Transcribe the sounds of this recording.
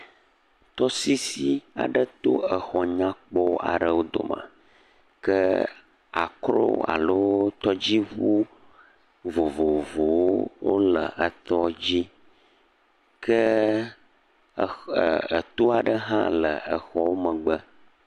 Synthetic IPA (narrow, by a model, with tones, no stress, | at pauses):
t̪ɔ˦si˦si˦a̰˨ɖə˦t̪o˦ə˨xɔ˨ɲã˦k͡pɔ˦a̰˨ɖə˨wo˦d̪o̰˨mã̰˨ | kə˦ | a˨kɾo̰˦a̰˨lo˦t̪ɔ˦d͡ʑi˦ɣu˦ | vo˨vo˨vo˨wwo̰˦lə̰˨ə˨t̪ɔ˦d͡ʑi˦ | kʰə˦˨ | ə˨t̪o˦a˨ɖə˦ɦã̰˦lə˨ə˨xɔ˦wo˦mə̃˨ɡ͡bə˦